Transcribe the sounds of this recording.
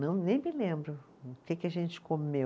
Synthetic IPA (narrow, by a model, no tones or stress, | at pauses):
nɐ̃w̃nẽj̃mɪlẽmbɾʊ | ʊkekɪɐʒẽnt͡ʃɪ̥kome